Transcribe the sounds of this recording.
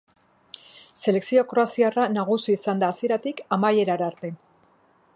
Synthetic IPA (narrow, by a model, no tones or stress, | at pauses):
se̞le̞ksio̞kɾo̞asiaranaɣusiːsand̪aːsie̞ɾat̪ikamaje̞ɾaɾaɾt̪e̞